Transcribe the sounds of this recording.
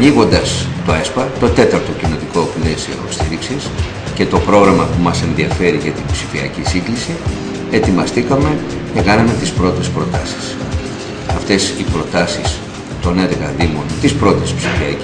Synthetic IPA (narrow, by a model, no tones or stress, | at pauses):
ɲiɣo̞nd̪ɐst̪oespɐt̪o̞t̪e̞t̪ɐɾt̪o̞cino̞t̪iko̞ple̞sio̰st̪iɾiksis | ce̞t̪o̞pɾo̞ɣɾɐmɐpumɐse̞nðiɐfe̞ɾiʝɐt̪inbsifiɐcisiŋɡlisi | e̞t̪imɐst̪ikɐme̞ | ce̞kɐnɐme̞t̪ispɾo̞t̪e̞spɾo̞t̪ɐsi̥s | ɐft̪e̞sipɾo̞t̪ɐsis | t̪o̞neɾɣɐðimo̞nt̪ispɾo̞t̪espsifiɐ̰